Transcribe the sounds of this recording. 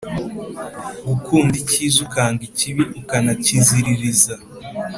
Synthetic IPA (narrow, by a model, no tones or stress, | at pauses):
ɡukuːndicizukaːŋɡiciβiʔukanaciziɾiɾiza